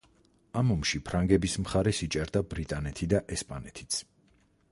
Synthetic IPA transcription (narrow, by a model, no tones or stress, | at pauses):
amumʃipʰɾaŋɡɛbismχaɾɛsit͡ʃʼɛɾd̪abɾit̪ʼanɛt̪ʰid̪aʔɛspʼanɛt̪ʰi̥t̪sʰ